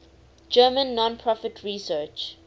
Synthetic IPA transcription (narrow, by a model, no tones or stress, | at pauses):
d͡ʒɜːmə̃nːɔ̃npʰɹɔfɪtʰɹisɜːt͡ʃ